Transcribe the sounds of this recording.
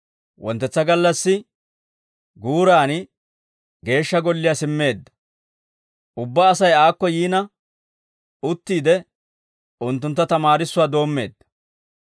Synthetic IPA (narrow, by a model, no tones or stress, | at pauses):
wɔnt̪ːɛt͡sːɐɡɐlːɐsːɪ | ɡuːɾaːn | ɡe̞ːʃːɐɡɔlːɪjaːsɪmːe̞ːd̪ːɐ̥ | ʔʊbːɐːsɐjaːkːɔjiːnɐ | ʊt̪ːiːd̪ɛ | ʊnt̪ːʊnt̪ːɐt̪ɐmaːɾɪsːʊwaːd̪o̞ːmːe̞ːd̪ːɐ̥